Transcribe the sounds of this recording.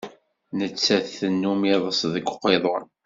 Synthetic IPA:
nət͡sːæθθənːumiðˤəsðəɡʷqːeðˤoɾˤ

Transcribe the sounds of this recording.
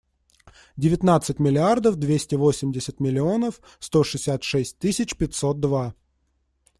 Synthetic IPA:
dʲɪvʲɪt̪nat̪sɨtʲmʲɪlʲɪard̪əfd̪vʲesʲtʲɪvo̞sʲɪmʲdʲɪsʲət̪mʲɪlʲɪo̞nəf | st̪o̞ʂɨsʲat̪ʂɛsʲt̚ʲt̪ɨsʲɪt͡ɕpʲɪt̪ʲso̞t̪̚d̪va

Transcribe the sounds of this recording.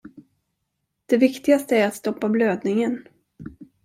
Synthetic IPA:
d̪̥ɛvɪkt̪ɪɡast̪əæɾat̪st̪ɔpːabløːd̪nɪŋən

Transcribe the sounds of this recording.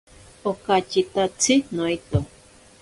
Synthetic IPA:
okat͡ʃit̪at͡sʰinoit̪o

